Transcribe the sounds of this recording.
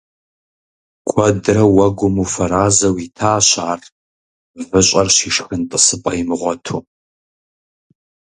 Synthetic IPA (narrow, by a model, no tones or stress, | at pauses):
kʷʰʼɔdrɐwɐɡʷʊmufɐɾaːzɐwitʰaːɕaːr | vɨɕʷʼɐrɕiːʂxɨntʼɨsɨpʼɐjmɨʁʷɔtʰuː